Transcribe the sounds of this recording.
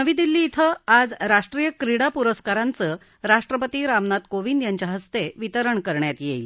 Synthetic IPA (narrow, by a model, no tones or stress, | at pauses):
nəʋiːd̪ilːiːt̪ʰəad͡zɾaʂʈɾijəkɾiɽapuɾəskaɾant͡sə | ɾaʂʈɾəpət̪iːɾamnat̪koʋind̪jaɲt͡ɕaɦəst̪eʋit̪əɾəɳkəɾɳjat̪jeil